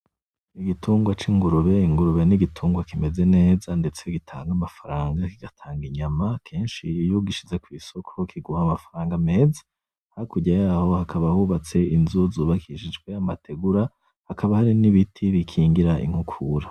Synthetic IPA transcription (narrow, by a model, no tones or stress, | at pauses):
iɡituːŋɡwat͡ʃiŋɡuɾuβe̞iŋɡuɾuβe̞niɡitʰuːŋɡwakime̞ze̞ne̞ːzande̞t͡se̞ɡitʰa̰ːŋɡamafaɾaːŋɡakiɡ̥atʰaːŋɡiɲamakʰe̞ːnʃijuɡiʃizekwiːso̞kʰo̞kʰiɡuhamafaɾaːŋɡame̞ːzḁ | haɾikuɟajaːho̞hakʰaβahuːβat͡se̞inzuzuːβakʰiʃid͡ʒɡwe̞amatʰe̞ɡuɾa | hakaβahaɾiniβitʰiβikʰiːŋɡiɾaʔḭŋ̥hukʰuɾa